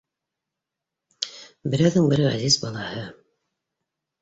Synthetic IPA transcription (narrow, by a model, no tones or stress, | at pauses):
bɘ̆ɾæwðɘŋbɘɾʁæ̰zizbɑlˠɑhɤ